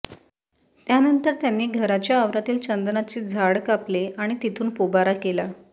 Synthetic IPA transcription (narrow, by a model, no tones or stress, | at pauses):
t̪janənt̪əɾt̪janːiːɡʱəɾat͡ɕjaəʋɾat̪iːlt͡ɕənd̪nat͡ɕiːd͡zʱaɽkapleaɽ̃it̪it̪ʰuːnpobaɾakela